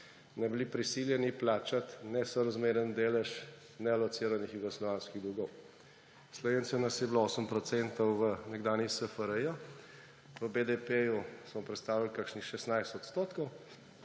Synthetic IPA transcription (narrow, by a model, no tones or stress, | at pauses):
nɛbilipɾisiljɛniplaːt͡ʃat̪nɛsɔɾazmeːɾənd̪eːlɛʃ | nɛalɔt̪siːɾanixiɡɔslɔʋaːnskiɣd̪ɾuɡɔw | slɔʋeːnsiɔnasjɛblooːsəmpɾɔt̪sɛnt̪ɔwʋənɛɡd̪aːnjixsəfəɾəja | ʋəbed̪epejusmɔpɾɛt̪st̪aːʋilkakʃnixʃɛsnajst̪ɔt̪st̪oːt̪kɔw